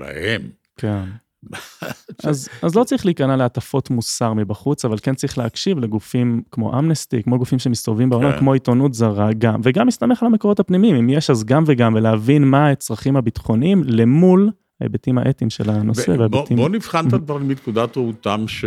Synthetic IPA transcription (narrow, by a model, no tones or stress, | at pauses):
la̰hem | kʰen | ʔazazlo̞t͡saʁiχliːkanaleatafo̞t̪musaʁmibaχut͡savalkent͡saʁiχleakʃivle̞ɡufimkmo̞̰ʔamnestikmoɡufimʃemist̪ovvimbeolamkmo̞it̪onutzaʁaɡamveɡamist̪ame̞χalamekoo̞t̪hapnimiimimjeʃazɡamveɡamveleavinmaet͡sʁaχimhabit̪χo̞nimle̞mul | haḛbetima̰ʔet̪imʃe̞̰lano̞seveabtimbonivχant̪ad̪vaʁlminkud̪at̪ʁaut̪amʃ